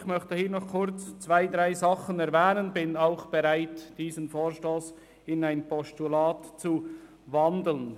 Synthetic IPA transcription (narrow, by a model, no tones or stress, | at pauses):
çmœçtəhiːnɔχkʰʊɾt͡st͡sv̥aɪdʁaɪzɑχənɛɾvɛːnənbɪnaʊχb̥ɛɾaɪtd̥iːzənfoːɾʃtoːs | ɪnaɪnpɔstulaːtt͡su | vɑndl̩n